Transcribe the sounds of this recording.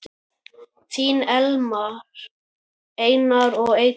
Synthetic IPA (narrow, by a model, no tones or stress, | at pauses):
t̪ʰiːnɛlmaɾ | ejnaɾɔɣej